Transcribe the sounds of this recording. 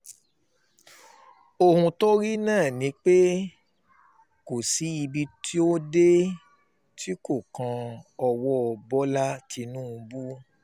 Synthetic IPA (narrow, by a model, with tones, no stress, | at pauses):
o˦˧hũ˧to˦ɾi˦nãː˦˨nĩ˨˦k͡pe˦ | ko˨si˨˦i˧bi˧tʰi˦o˦de˦ | ti˦ko˦˨kã˧ɔ˧wɔ˦ɔ˧bɔ˦la˦tʰi˧nũ˦˧bu˦